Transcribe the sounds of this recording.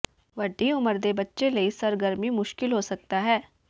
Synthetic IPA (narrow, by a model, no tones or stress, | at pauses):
ʋɐɖːiʊməɾd̪ebɐtːʃelɐisɐɾɡəɾmimʊʃkɪlɦosɐk̚t̪aɦɛː